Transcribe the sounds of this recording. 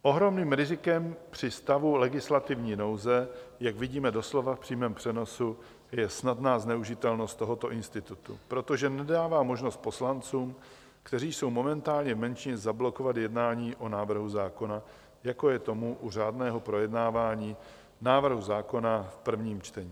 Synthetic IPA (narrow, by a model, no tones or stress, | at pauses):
ʔo̞ɦɾo̞mniːmɾɪzɪkɛmpr̝̥ɪst̪avulɛɡɪslat̪ɪvɲiːno̞wzɛjaɡvɪɟiːmɛdo̞slo̞vafpr̥iːmɛːmpr̥ɛno̞su | jɛsnadnaːznɛuʒɪt̪ɛlno̞st̪t̪o̞ɦo̞t̪o̞ʔɪnst̪ɪt̪ut̪ṵpɾo̞t̪o̞ʒɛnɛdaːvaːmo̞ʒno̞st̪̚po̞slant͡suːm | kt̪ɛɾiːso̞wmo̞mɛnt̪aːlɲɛvmɛnt͡ʃɪɲɛzablo̞ko̞vat̪jɛdnaːɲiːʔo̞naːvr̩ɦuzaːko̞na | jako̞jɛt̪o̞muʔur̝aːdnɛːɦo̞pɾo̞jɛdnaːvaːɲiː | naːvr̩ɦuzaːko̞nafpr̩vɲiːmt͡ʃt̪ɛɲiː